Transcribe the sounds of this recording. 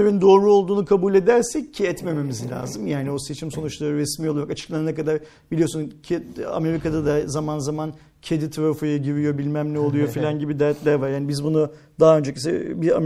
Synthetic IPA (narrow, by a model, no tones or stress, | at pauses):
evind̪o̞ːɾuo̞lˠd̪uːnukʰabulʲe̞d̪æɾsɛccʰːiɛt̪me̞me̞mizlʲa̰ːzɯmjaːnio̞se̞t͡ʃʰimso̞nut͡ʃlˠaɾɯɾesmio̞lˠaɾakat͡ʃʰɯ̥klˠanɯnakʰad̪aɾ | b̥ilʲiosuncʰea̰me̞ɾikʰad̪ad̪azamanzaman | cʰe̞d̪it̪ʰɾafujaɟiɾijo̞bilʲmæmnʲɛo̞lˠujofilʲanɟibid̪æɾt̪lʲæɾvaɾjaːnibizbunu | d̪aɦaø̞nd͡ʒecʰisɛ̰bia̰